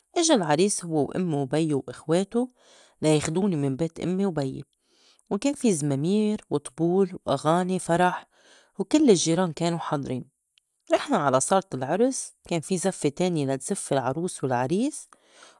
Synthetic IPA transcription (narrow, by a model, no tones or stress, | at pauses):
ʔɪʒalʕɑɾiːshʊwːewʔɪ̰mːiwbajːuwʔɪxweːt̪u | lajexd̪uːnimɪmbeːt̪ʔɪ̰mːiwbajːḛ | wkeːnfizmamiːɾwɨt̪ˤbuːlwʔaɣaːnifɑɾˤɑħ | wkɪlːɪʒːiːɾɑːnkeːnuħɑd̪ˤɾiːn | ʔɪħnaʕalasˤɑɾˤt̪ˤɪlʕʊɾˤskeːnfizafːet̪eːnjelat̪z̥ɪfːɪlʕɑɾˤuːswɪlʕɑɾiːs